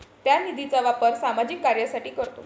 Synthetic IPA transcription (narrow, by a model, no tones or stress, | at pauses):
t̪janid̪ʱit͡saʋapəɾsamad͡ʑikːaɾjasaʈiːkəɾt̪o̰